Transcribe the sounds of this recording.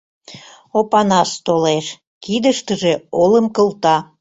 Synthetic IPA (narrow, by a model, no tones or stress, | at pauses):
opɑnɑst̪oleʃ | kid̪əʃt̪əʒeoləmkəlt̪ɑ